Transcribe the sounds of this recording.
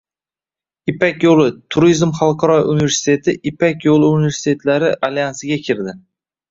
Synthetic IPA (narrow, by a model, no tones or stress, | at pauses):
ɪpakʲjolˠɪt̪ʰʊɾizmχɑlˠqʰɑɾɒjunive̞ɾsɪ̥t̪ʰe̞t̪ʰɪʔɪpakʲjolˠɪunive̞ɾsɪ̥t̪ʰe̞t̪laɾɪʔalejansɪɡʲakʲʰɪɾd̪ɪ